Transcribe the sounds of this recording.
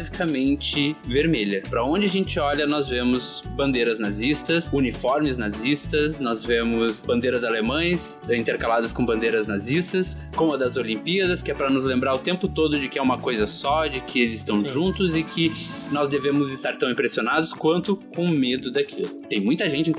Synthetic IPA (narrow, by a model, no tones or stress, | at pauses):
zikɐmẽnt͡ʃɪveɾmeʎɐpɾɐõd͡ʒɪaʒẽnt͡ʃɪɔʎɐnɔzvẽmʊzbɐ̃nd̪eɾɐznazist̪ɐsunifɔɾmɪznazist̪ɐsnɔzvẽmʊsbɐ̃nd̪eɾɐzalemɐ̃j̃s | ĩnt̪eɾkalad̪ɐskõbɐ̃nd̪ejɾɐznazist̪ɐs | kõmɐd̪ɐzolĩmpiɐd̪ɐskɪɛpɾɐnʊzlẽmbɾaɾʊt̪ẽmpʊt̪od̪ʊd͡ʒɪkɪɛũmɐkojzɐsɔd͡ʒɪkʰɪelɪzɪst̪ɐ̃w̃ʒũnt̪ʊzɪkɪ | nɔzd̪evẽmʊzɪst̪aɾt̪ɐ̃w̃ĩmpɾesionad̪ʊskwɐ̃nt̪ʊkõmed̪ʊd̪akʰilʊt̪ẽj̃mũj̃t̪ɐʒẽnt͡ʃɪĩk